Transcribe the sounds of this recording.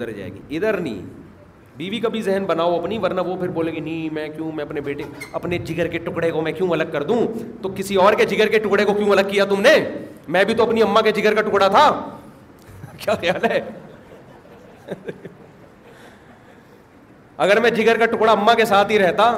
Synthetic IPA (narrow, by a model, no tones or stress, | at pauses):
əɾd͡ʒa̰ːḛːɡḭɪd̪əɾnɐḭ̃ː | biːʋikabʱizɛɦənbɐnaːoɐpnĩʋɐɾnaʋopʰɪɾboːlẽɡinimɛ̃ːkjũːmɛ̃ɐpnebeːʈeɐpned͡ʒɪɡəɾkeʈʊkɽekomɛ̃kjõːɐləɡ̚kɐɾd̪ũt̪okɪsiɔːɾked͡ʒɪɡəɾkeʈʊkɽekokjũɐləɡ̚kijat̪ʊmnemɛ̃ːbʱit̪oɐpniɐmːãked͡ʒɪɡəɾkaʈʊkɽat̪ʰa | kjaːxjaːlɦɛ | ɐɡəɾmɛ̃d͡ʒɪɡəɾkaʈʊkɽaɐmːãkesaːt̪ɦiɾɛɦt̪aː